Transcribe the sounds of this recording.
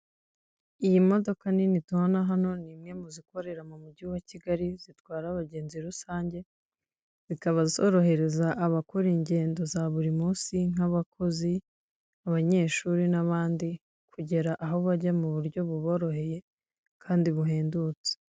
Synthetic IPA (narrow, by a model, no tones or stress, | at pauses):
ijimo̞do̞kaninituonaɦano̞nimŋe̞muziko̞ɾe̞ɾamumuɟiwaciɡaɾiz̥itwaːɾaβaɟe̞ːnziɾusaːɲɟe̞ | z̥ikaβazisoɾo̞ɦe̞ɾe̞zaʔaβakoɾiːɲɟe̞ːndo̞zaβuɾimuːsiŋ̥aβakʰo̞zi | aβaɲe̞ːʃuɾinaβaːndi | kʰuɟe̞ɾaʔaɦo̞βaɟamuβuɾɟo̞βuβo̞ːɾo̞ɦe̞je̞ | kʰaːndiβuɦe̞ːndut͡se̥